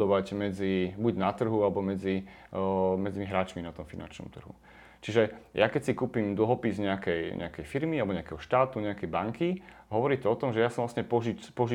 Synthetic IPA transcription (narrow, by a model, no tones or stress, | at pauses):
ɔʋaɟmɛd͡zibuɟnat̪r̩ɦualɛbɔmɛd͡zi | mɛd͡zimiɦɾaːt͡ʃminat̪ɔmfina̰nt͡ʃnɔ̰mt̪r̩ɦṵ | t͡ʃiʒɛjakɛcsikuːpimd̪l̩ɦɔpizɲɛakɛjɲʔɛ̰akɛjfiɾmialɛbɔɲɛakɛɦɔʃt̪aːt̪uɲɛakɛjbaŋki | ɦɔʋɔɾiːt̪ɔɔt̪ɔmʒɛjasɔmʋlasɲɛpɔʒipɔʒi